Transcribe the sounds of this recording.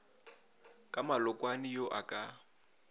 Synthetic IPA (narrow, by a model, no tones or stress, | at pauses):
kʼamalʊkʼwanɪjoʔakʼa